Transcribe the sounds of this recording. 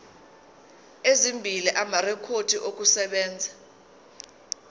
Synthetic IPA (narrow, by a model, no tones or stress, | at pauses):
ezimbʱiliʔamarɛkʰod̥ʱiʔok̬usɛɓɛːnd͡zʱa